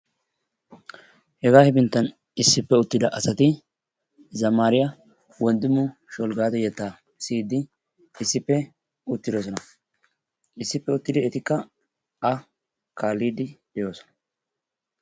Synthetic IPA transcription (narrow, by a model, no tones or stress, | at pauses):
hɛɡaːhɛbɪnt̪ːɐn | ɪsːɪpːɛʊt̪ːɪd̪ɐʔɐsɐt̪ɪ | zɐmaːɾɪjɐ | wɔnd̪ɪmːʊʃɔlɡaːt̪ɔjɛt̪ːaː | siːd̪ɪ | ɪsːɪpːɛ | ʊt̪ːɪd̪oːs̬ɔnɐ | ɪsːɪpːɛʊt̪ːɪd̪ɪɛt̪ɪkːɐ | ɐ | kaːlːiːd̪ɪd̪̥ɛjoːsɔ̥nɐ̥